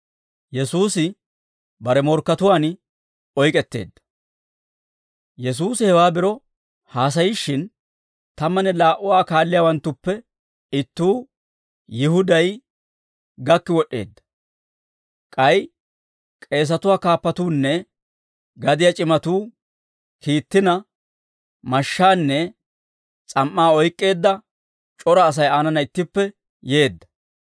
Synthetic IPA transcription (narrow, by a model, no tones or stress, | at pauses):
jɛsuːsɪ | bɐɾɛmɔɾkːɐt̪ʊwaːn | ɔjkʼɛt̪ːe̞̰ːd̪ːɐ̥ | jɛs̬uːsɪhɛwaːbɪɾɔ | haːs̬ɐjɪʃːɪn | t̪ɐmːɐnɛlaːʔʊwaːkaːlːɪjaːwɐnt̪ːʊpːɛ | ɪt̪ːuː | jɪhʊd̪ɐj | ɡɐkːɪwɔɗːe̞̰ːd̪ːɐ̥ | kʼɐj | kʼe̞ːs̬ɐt̪ʊwaːkaːpːɐt̪uːnːɛ | ɡɐd̪ɪjat͡ʃʼɪmɐt̪uː | kiːt̪ːɪnɐ | mɐʃːaːnːɛ | t͡sʼɐmːaːɔjkʼːe̞ːd̪ːɐ | t͡ʃʼɔɾɐːs̬ɐjaːnɐnɐɪt̪ːɪpːɛ | je̞ːd̪ːɐ̥